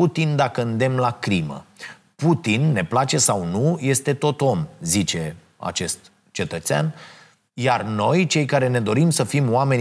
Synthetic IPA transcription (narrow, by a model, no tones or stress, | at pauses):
ut̪ind̪akəɨnd̪e̞mlakɾimə̰ | put̪inːe̞plat͡ʃe̞sawnuje̞st̪e̞t̪o̞t̪o̞mzit͡ʃe̞ | a̰t͡ʃe̞st̪ | t͡ʃe̞t̪ət̪sea̰n | jarno̞jt͡ʃe̞jkaɾe̞ne̞d̪o̞ɾimsəfimwame̞nʲ